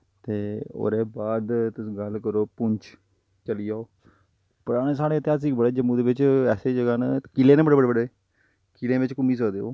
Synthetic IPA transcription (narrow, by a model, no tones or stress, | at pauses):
t̪eːo̰ːɾeːbaːd̪t̪ʊsĩːɡəlkəɾoːpʊɲt͡ʃ | t͡ʃəliːaːoː | pəɾaːneːsaːɽeːt̪jaːs̬iːɡbəɽeːd͡ʒəmːũːd̪eːʋɪt͡ʃɛːseːd͡ʒəɡaːneːkilẽːneːbəɽeːbəɽeːbəɽeː | kilẽːʋɪt͡ʃkʊmiːs̬əkd̪eːo̰ː